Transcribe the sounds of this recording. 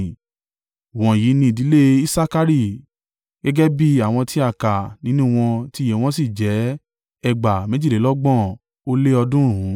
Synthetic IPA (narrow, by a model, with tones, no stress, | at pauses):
w̃ɔ̃˨ji˨˦nĩ˧˨di˨˦le˦i˦sa˦ka˦ɾi˧˨ | ɡ̥ɛ˦ɡɛ˦bi˦a˦˨w̃ɔ̃˧tʰi˦a˦˨ka˨nĩ˨˦nũ˦˨w̃ɔ̃˧ti˦je˨w̃ɔ̃˦si˦˨d͡ʒɛ˨˦ | ɛ˧ɡ͡ba˨mẽ˨˦d͡ʒi˦˨le˨˦lɔ˦ɡ͡bɔ̃˦˨ | o˦le˦ɔ˧dũ˦˨ɾũ˨˦